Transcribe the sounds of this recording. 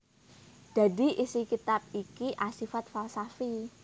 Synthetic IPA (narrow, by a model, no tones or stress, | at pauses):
d̪̥a̤d̪i̤ʔisikit̪ap̚ikiʔasifat̪falsafi